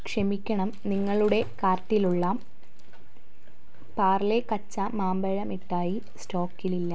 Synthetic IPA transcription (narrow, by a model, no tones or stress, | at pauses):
kʂɐmikʲːɐɳɐmniŋːɐɭuɽe̞kaːrʈːiluɭːɐ | paːrlekɐt͡ɕːɐmaːmbɐɻɐmiʈːaːji | sto̞ːkːililːɐ